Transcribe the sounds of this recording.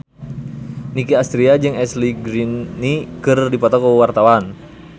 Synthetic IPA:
nikiast̪ɾiad͡ʒɨŋɛsliɡɾinikɨrdipɔt̪ɔkəwart̪awan

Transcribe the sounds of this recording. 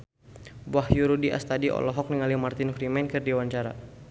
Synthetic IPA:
bahjuɾudiʔa̰st̪adiɔ̰lɔɦɔk̚niŋalimart̪ɪnfɾimɛnkərdiwaɲt͡ʃaɾa̰

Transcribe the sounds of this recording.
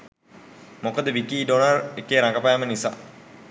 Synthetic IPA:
mokəd̪əʋikiːɖonarekeːɾaŋɡəpajamənisa̰

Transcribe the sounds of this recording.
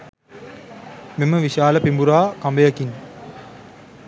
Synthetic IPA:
miməʋiʃaːlɐpimbuɾaːkambejɐkin

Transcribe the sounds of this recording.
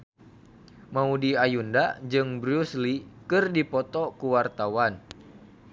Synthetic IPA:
maudiajundad͡ʒɨŋbɾuslikɨrdipɔt̪ɔkuwart̪awan

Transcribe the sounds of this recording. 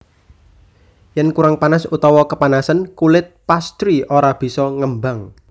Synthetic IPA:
jɛnkuɾaŋpanasut̪ɔwɔkəpanasənkulɪt̪̚past̪ɾiʔoɾab̥i̤sɔŋəmbaŋ

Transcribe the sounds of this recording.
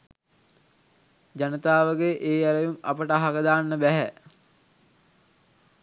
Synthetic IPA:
d͡ʒanət̪aːʋəɡeʔeːjæɾəʋima̰pəʈəɦakəd̪aːnːəbæɦæ

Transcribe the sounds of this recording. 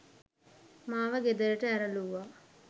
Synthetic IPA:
maːʋəɡed̪əɾəʈəæɾəluʋaː

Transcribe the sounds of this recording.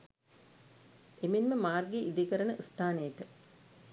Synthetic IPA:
emenməmaːrɡeʔid̪ikɐɾənəʔst̪aːnejəʈə

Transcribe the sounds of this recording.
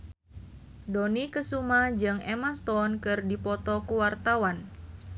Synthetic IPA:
donikəsumad͡ʒɨŋemast̪ɔnkɨrdipɔt̪ɔkuwart̪awan

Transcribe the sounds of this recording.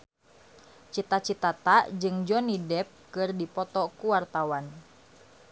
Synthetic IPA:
t͡ʃit̪at͡ʃit̪at̪ad͡ʒɨŋd͡ʒɔnidɛp̚kɨrdipɔt̪ɔkuwart̪awan

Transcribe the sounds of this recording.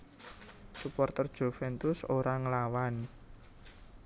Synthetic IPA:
supɔrt̪ərd̥ʒ̥o̤fɛnt̪ʊsoɾaŋəlawan

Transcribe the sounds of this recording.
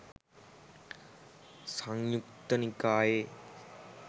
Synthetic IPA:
səŋjukt̪ənikaːjeː

